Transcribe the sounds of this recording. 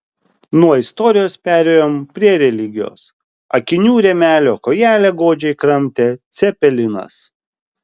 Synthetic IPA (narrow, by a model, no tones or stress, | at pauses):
nuɔɪst̪ɔɾʲɪjoːspʲæːɾʲeːjoːmpʲɾʲiɛɾʲɛlʲɪɡʲɪjo̰ːs | ɐkʲɪnʲuːɾʲɛmʲæːlʲoːkoːjæːlʲɛɡoːd͡ʒʲɛɪkɾɐmʲt̪ʲet̪sʲɛpʲɛlʲɪnɐ̰s